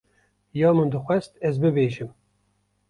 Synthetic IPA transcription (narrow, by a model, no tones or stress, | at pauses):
jɑːmɨnd̪ɨxʷɛst̪ɛzbɨbeːʒɨm